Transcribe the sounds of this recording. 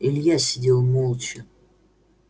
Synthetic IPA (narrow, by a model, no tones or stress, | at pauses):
ilʲjasʲidʲelˠmolˠt͡ʃʰɪ